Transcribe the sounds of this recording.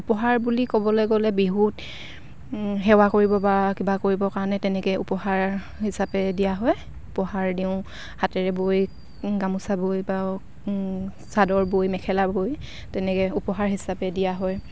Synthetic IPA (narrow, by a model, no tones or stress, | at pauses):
upɔɦaɹbulikɔbɔlejɡɔlɛbiɦut | ɦɛwakoɹibɔbakibakoɹibɔkaɹɔnɛtɛnɛkɛṵpɔhaɹ | hisapɛdijaɦɔj | upɔhaɹdiʊ̃ | hatɛɹɛboj | ɡamusabojba | sadɔɹbojmɛkʰɛlaboj | tɛnɛkɛupɔɦaɹɦisapɛdijaɦɔj